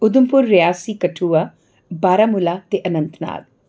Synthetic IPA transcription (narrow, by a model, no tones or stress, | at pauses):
ʊd̪ʊmpʊɾːɪjaːsiːkəʈʰuːa | baːɾaːmʊlaːt̪eʔənənt̪na̰ːd̪̚